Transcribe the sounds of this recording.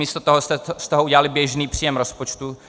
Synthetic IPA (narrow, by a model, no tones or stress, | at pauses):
iːst̪ot̪oɦost̪ɛst̪ɛɦoʔuɟɛlalɪbjɛʒniːpr̥iːjɛmɾospot͡ʃt̪u